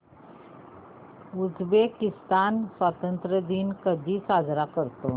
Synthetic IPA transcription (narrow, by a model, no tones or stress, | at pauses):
ud͡zbekist̪ansʋat̪ənt̪ɾəd̪iːnkəd̪ʱiːsad͡zɾakəɾt̪o